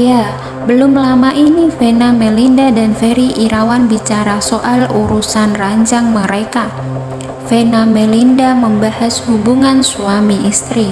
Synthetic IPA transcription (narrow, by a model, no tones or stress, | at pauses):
ja | bəlʊmlamaʔinifenamɛlindadanfeɾiʔiɾawanbit͡ʃaɾasoʔaluɾusanraɲt͡ʃaŋməɾeka | fenamɛlindaməmbahashubuŋansuamiʔist̪ɾi